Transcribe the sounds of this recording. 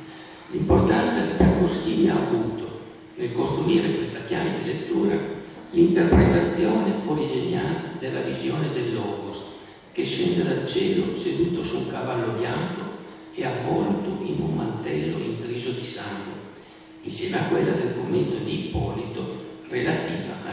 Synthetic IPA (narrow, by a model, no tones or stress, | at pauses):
limport̪ant̪sad̪iperkusiːmiaːvuːt̪o | nelkost̪ɾuiːɾekwest̪ak̟jaːmed̪ilet̪ːuːɾa | lint̪erpɾet̪at̪sːjoːneoɾid͡ʒenjald̪elːavizjoːned̪elːɔːkos | keʃːɛnd̪ed̪alt͡ʃɛːlosed̪uːt̪osuuŋkavalːobjaŋko | eavɔlt̪oinummant̪ɛlːo̰ḭnt̪ɾiːzod̪isaŋɡwḛ | insjɛːmeakːwelːad̪elkomːent̪od̪iːpɔlit̪orelat̪iːva̰